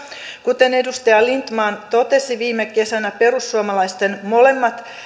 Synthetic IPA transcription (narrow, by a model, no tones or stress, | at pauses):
kut̪e̞ne̞dust̪ɑjɑlint̪mɑːnt̪o̞t̪e̞siʋiːmːeke̞sænæpe̞rusːuomɑlɑist̪enmo̞le̞mːɑt̪